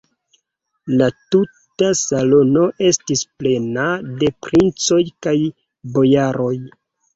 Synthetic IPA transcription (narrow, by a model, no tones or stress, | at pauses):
latutasalo̞no̞ʔe̞stisple̞nade̞pɾint͡so̞jkaj | bo̞jaɾo̞j